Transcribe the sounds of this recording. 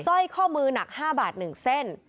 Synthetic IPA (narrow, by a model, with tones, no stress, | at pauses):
sɔ˥˩jkʰɔː˥˩mɯː˧na˨˩k̚haː˥˩baː˨˩t̪̚nɯ˨˩ŋse˥˩n